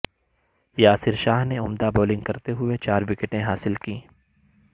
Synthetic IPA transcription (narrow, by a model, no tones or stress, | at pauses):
jaːsɪɾʃaːɦneʊmd̪aboːlɪ̃ŋɡkɐɾt̪eɦʊet͡ʃaːɾʋɪkeʈẽɦaːsɪlkĩː